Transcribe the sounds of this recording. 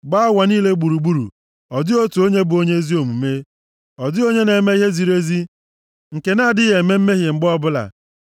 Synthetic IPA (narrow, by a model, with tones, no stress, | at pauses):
ɡ͡ba˦a˦wa˨niː˦le˦ɡ͡bu˨ɾu˨ɡ͡bu˦ɾṵ˨ | ɔ˨dɪ˦o˦tu˨o˦ɲe˦bʊ˨o˦ɲe˦zi˦o˨mu˨me˦ | ɔ˨dɪ˦o˦ɲe˦ne˨me˦i˦ɦe˦zi˨ɾe˦zi˦ | ŋ̩˨ke˨na˦˨dɪ˦ɣe˨˦me˦m̩˦me˦ɦje˨ŋ͡m̩˨ɡ͡bɔ˦bʊ˦la̰˨